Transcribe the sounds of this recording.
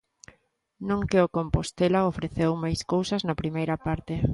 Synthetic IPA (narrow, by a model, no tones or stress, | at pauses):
nõŋkeokompost̪elaofɾeθewmajskowsɐznɐpɾimejɾɐpaɾt̪ɪ